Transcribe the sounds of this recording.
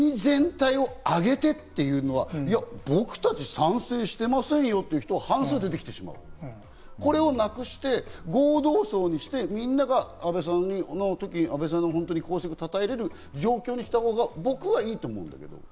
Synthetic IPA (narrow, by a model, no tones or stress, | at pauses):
ɲizẽ̞nt̪aio̞aɡe̞t̪e̞t̪ːe̞jɯ̟ːno̞βaijabo̞kɯ̟̥t̪at͡ɕisãɰ̃seːɕi̥t̪e̞masẽ̞ɰ̃jo̞t̪ːe̞iɯ̟çi̥t̪o̞ahãɰ̃sɨːd̪e̞t̪e̞kʲi̥t̪e̞ɕima̰ɯ̰ | ko̞ɾe̞o̞nakɯ̟ɕi̥t̪e̞ɡo̞ːd̪o̞ːso̞ːɲ̟iɕi̥t̪e̞mʲĩnːaɡaːbe̞s̬ãnːinot̪o̞kʲiabe̞s̬ãnːoɦõ̞nt̪o̞ɲ̟ikʰo̞ːsekɯ̟t̪at̪aeɾe̞ɾɯ̟ | d͡ʑo̞ːkʲoːɲ̟iɕi̥t̪aho̞ːɡabo̞kɯ̟βaiːt̪oːmõ̞̰nd̪a̰ke̞d̪o̞̰